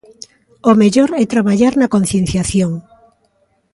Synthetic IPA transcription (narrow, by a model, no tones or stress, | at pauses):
omeʎoɾɛt̪ɾaβaʎaɾnakõn̟θjen̟θjaθjoŋ